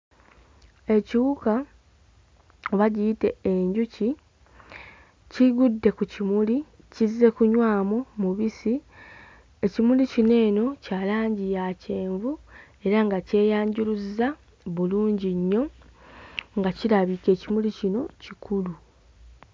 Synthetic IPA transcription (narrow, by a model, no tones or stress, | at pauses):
e̞ciwuka | oβaɟiːte̞ːɲɟuci | ciɡudːe̞kucimuli | cize̞kuɲwaːmomuβisi | e̞cimulicine̞ːno̞caːlaːɲɟijace̞ːɱvu | e̞ɾaŋɡace̞ːjaːɲɟuluza | βuluːɲɟiɲːo̞ | ŋɡaciɾaβike̞ːcimulicino̞cikʰulu